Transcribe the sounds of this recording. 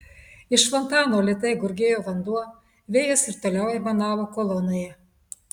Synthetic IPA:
ɪʃfɔnt̪ɑːnoːlʲɪt̪ɐɪɡʊɾʲɡʲeːjoːʋɐnd̪uɔ | ʋʲeːjɛsɪɾt̪ɐlʲæˑʊjɛmɐnɑːʋokɔlˠɔnʲojɛ

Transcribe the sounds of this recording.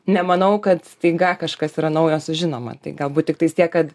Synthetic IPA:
nʲɛmɐnɐʊkɐt̪st̪ɛɪɡɐkɐʃkɐsiːɾɐnɐʊjoːsʊʒʲɪnoːmɐ̰t̪ɐɪɡɐlˠbuːt̪̚ʲɪkt̪ɐɪst̪ʲiɛkkɐt̪

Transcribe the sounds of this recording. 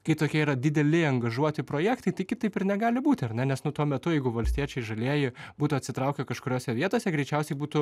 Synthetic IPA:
kɐɪt̪oːkʲiɛiːɾɐd̪ʲɪd̪ʲɛlʲɪɐŋɡɐʒuɔt̪ʲɪpɾoːjæːkt̪ɐɪt̪ɐɪkʲɪt̪ɐɪpɪrnʲɛɡɑːlʲɪbuːt̪ʲɪɐɾʲnʲɛnʲɛsnʊt̪uɔmʲɛt̪ʊjɛɪɡʊʋɐlʲsʲt̪ʲiɛt͡ʃʲɛɪʒɐlʲeːjɪbuːt̪ʊɐt̪ʲsʲɪt̪ɾɐʊkʲɛkɐʃkʊɾʲoːsʲɛʋʲiɛt̪oːsʲɛɡɾʲɛɪt͡ʃʲɛʊsʲɛɪbuːt̪ʊ

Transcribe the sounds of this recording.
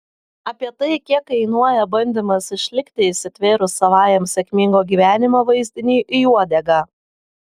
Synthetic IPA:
ɐpʲiɛt̪ɐɪkʲiɛkɐɪnuɔjɛbɐnʲd̪ʲɪmɐsɪʃʲlʲɪkʲt̪ʲɪɪsʲɪt̪ʲʋʲeːɾʊsɐʋɑːjɛmsʲɛkʲmʲɪŋɡoːɡʲiːʋʲæːnʲɪmoːʋɐɪzʲd̪ʲɪnʲiːʔɪjuɔd̪ʲɛɡɑː

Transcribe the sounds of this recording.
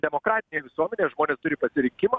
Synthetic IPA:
d̪ʲɛmoːkɾɑːt̪ʲɪnʲeːʋʲɪsuɔmʲɛnʲeːʒmoːnʲeːst̪ʊɾʲɪpɐsʲɪɾʲɪŋʲkʲɪmɐ

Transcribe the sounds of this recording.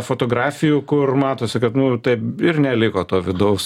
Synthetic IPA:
foːt̪oːɡɾɑːfʲɪjuːkʊrmɑːt̪oːsʲɪkɐt̪nʊt̪ɐɪpɪrnʲɛlʲɪkoːt̪oːʋʲɪd̪ɐʊs

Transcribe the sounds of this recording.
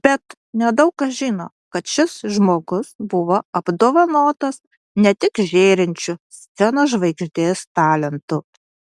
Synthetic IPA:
b̥ʲɛt̪ | nʲɛd̪ɐʊkkɐsʒʲiːno̰ː | kɐt̪ʃʲɪsʒmoːɡʊsbʊʋoːɐb̥d̪oːʋɐnoːt̪ɐs | nʲɛt̪ʲɪkʒʲeːɾʲɪnʲt͡ʃʲʊsʲt̪sʲɛnoːʒʋɐɪɡʒʲd̪ʲeːst̪ɑːlʲɛnt̪ʊ

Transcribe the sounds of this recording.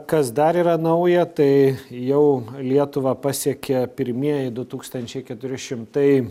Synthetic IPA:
kɐsd̪ɐɾiːɾɐnɐʊjɛt̪ɐɪjɛʊlʲiɛt̪ʊʋɑpɑːsʲiɛkʲɛpʲɪɾʲmʲiɛjɛɪd̪ʊt̪uːkst̪ɐnʲt͡ʃʲɛɪkʲɛt̪ʊɾʲɪʃʲɪmt̪ɐɪ

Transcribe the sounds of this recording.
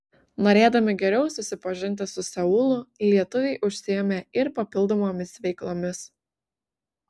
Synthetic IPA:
noːɾʲeːd̪ɐmʲɪɡʲɛɾʲɛʊsʊsʲɪpɐʒʲɪnʲt̪̬ʲɪsʊsʲɛʊlˠʊlʲiɛt̪ʊʋʲɛɪʔʊʃʲsʲɪjɛmʲeːɪɾpɐpʲɪlˠˑd̪oːmoːmʲɪsʋʲɛɪklˠoːmʲɪs

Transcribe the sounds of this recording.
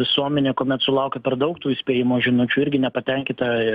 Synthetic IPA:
ɪsuɔmʲɛnʲeːkoːmʲɛt̪sʊlˠɐʊkʲɛpʲɛrd̪ɐʊkt̪uːɪsʲpʲeːjɪmoːʒʲɪnʊt͡ʃʲuɪɾʲɡʲɪnʲɛpɐt̪ʲɛŋʲkʲɪt̪ɐ

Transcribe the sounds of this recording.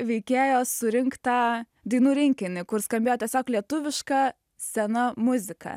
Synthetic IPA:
ʋʲɛɪkʲeːjoːsʊɾʲɪŋkt̪ɑ | d̪ʲɐɪnuːɾʲɪŋʲkʲɪnʲɪkʊɾskɐmʲbʲeːjoːt̪ʲɛsʲoːklʲiɛt̪ʊʋʲɪʃkɑ | sʲɛnɐmʊzʲɪkʰɐ̰

